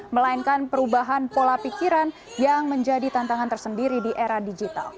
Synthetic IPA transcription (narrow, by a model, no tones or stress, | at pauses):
məlainkanpəɾubaɦanpolapikiɾan | jaŋməɲd͡ʒadit̪ant̪aŋant̪ərsəndiɾidiʔeɾadid͡ʒit̪a̰l